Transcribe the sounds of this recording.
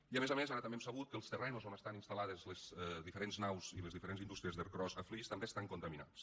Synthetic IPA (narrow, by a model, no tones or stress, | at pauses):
iəmezəmezaɾət̪əmbemsəβut̪̚kəlˠst̪ərɛnusoməst̪aninst̪alaðəzləz̥ðifəɾenznawziləzðifəɾenzind̪ust̪ɾiəzðəɾkɾɔzəflist̪əmbest̪aŋkunt̪əmina̰ts